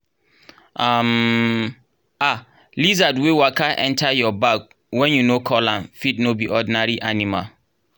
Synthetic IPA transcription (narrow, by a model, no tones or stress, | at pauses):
am | a | lizadwewakʰaʔɛ̰̃ntʰajɔbak̚ | wɛ̃njunokʰɔlãnfitnobiʔɔdinaɹiʔanima̰l